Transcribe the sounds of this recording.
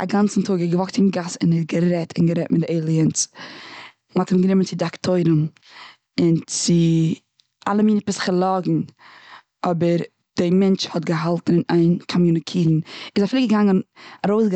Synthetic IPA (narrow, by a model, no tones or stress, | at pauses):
a̰ɡant͡sn̩tʰʊːɡɪɡəvɔk̚tɪnɡasɪnɪtɡəɾɛtʰɪnɡəɾɛtmɪdɪelˠiəns | nhɔtɪmɡəɾɪmənt͡sɪdaktʰoɪɾəm | ɪnt͡sɪ | ʔa̰lˠəmiːnɛpɪsχəlˠɔɡŋ̩ | ɔbəɾ | d̥ɪmɛnt͡ʃhɔtɡəɦalˠtn̩ɪnaɪnkʰamjunəkʰiːdn̩ɪzafiːlˠəɡəɡaŋənaɾoʊsɡ